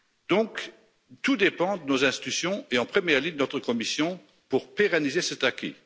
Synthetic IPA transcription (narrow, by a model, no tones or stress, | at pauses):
d̪ɔ̃k | t̪ud̪epɑ̃d̪ənozɛ̃st̪i̥t̪ysjɔ̃eɑ̃pχəmjɛʁlid̪ənɔt̪χəkɔmisjɔ̃ | puʁpeʁanizesət̪akʲḭ